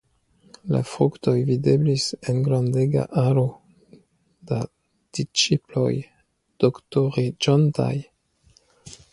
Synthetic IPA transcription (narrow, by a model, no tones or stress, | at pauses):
la̰fɾukto̞jvide̞blise̞nɡɾandeɡa̰ʔaɾo | d̥a | d̥it͡ʃiplo̞̰j | d̥oktoʁid͡ʒonta̰j